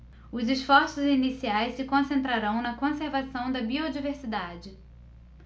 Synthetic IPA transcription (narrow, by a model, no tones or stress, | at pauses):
ʊzɪsfɔɾsʊzinisiajsɪkõsẽnt̪̬ɾaɾɐ̃w̃nɐkõseɾvasɐ̃w̃d̪ɐbiod͡ʒiveɾsid̪ad͡ʒɪ